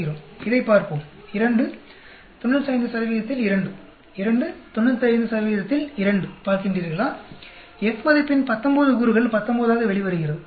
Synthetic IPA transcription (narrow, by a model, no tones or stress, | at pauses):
ɪɾoːmɪðɐɪpːaːɾpoːmɪɾɐɳɖɯ | t̪ɔɳːɐnsɐːɪnd̪ɯsɐɾɐʋiːɾɐt̪ːɪlɪɾɐɳɖɯ | ɪɾɐɳɖɯt̪ɔɳːɐlt̪ːɐjɪnd̪ɯsɐɾɐʋiːɾɐt̪ːɪlɪɾɐɳɖɯpaːɾkɪɳdriːɾɣɐɭaː | ɛkmɐðɐɪpːɪnpɐt̪ːɐmboːðɯkuːɾɯɣɐɭpɐt̪ːɐmboːðaːɣɐʋɛɭɪʋɐɾɯɣɪrɐðɯ